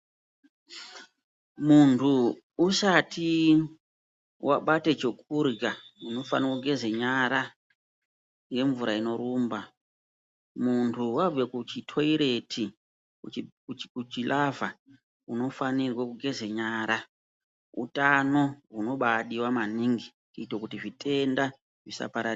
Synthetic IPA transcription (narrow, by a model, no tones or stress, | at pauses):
muntʰuː | sati | wʔaɓatet͡ʃokurɡauno̞fa̰nirwakuɡʱeze̞ɲaɾa | je̞ɱvuɾaino̞ɾuːmba | muntʰuwavekut͡ʃitʰo̞iɾe̞tʰi | kut͡ʃilʔava | uno̞fanirwakuɡʱe̞ze̞ɲaːɾa | ṵtano̞ɦuno̞ɓaɗiwamaniŋɡi | kuitwokutiʐite̞nda | ʐisa̰paɾa